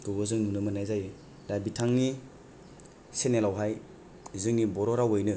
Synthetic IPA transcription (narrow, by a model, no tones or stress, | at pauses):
tubɯzɯŋnunɯmɯnajzaj | ɾabitʰaŋni | senelawɦaj | zɯŋnibɔɾɔɾawɯjnɯ